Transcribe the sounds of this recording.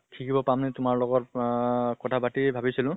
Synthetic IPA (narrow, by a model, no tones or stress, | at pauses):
kʰikʰibɔpamnɛtʊmaɹlɔɡɔt | kɔtʰabatibʱabisilʊ̃